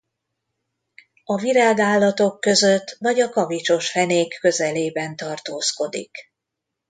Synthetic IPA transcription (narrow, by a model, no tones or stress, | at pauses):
ɒviɾaːɡaːlːɒt̪o̞kːøzø̞t̪ːvɒɟɒkɒvit͡ʃo̞ʃfɛneːkːø̞zɛleːbɛnt̪ɒrt̪oːsko̞d̪ḭk